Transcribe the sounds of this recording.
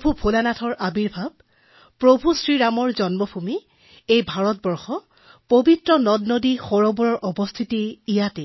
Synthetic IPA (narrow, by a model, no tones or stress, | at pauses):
bʱupʰolanatʰɔɹʔabiɹbʱab̚ | pɹobʱusɹiɹamɔɹzɔnmɔbʰʱumi | ejbʱaɹɔt̚bɔɹxɔ | pobitɹɔnɔdnodixɔɹɔbɔɹɔɹʔɔbɔst̪ʰitiːjatɛ